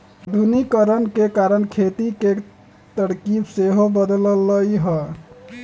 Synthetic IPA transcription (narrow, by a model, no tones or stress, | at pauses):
d̪ʱunikəɾənkekaɾənkʰet̪ike | t̪əɽkibseɦobəd̪ləlːəiɦə